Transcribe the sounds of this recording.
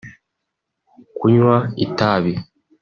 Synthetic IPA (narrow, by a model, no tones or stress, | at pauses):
kuɲwaitaːβi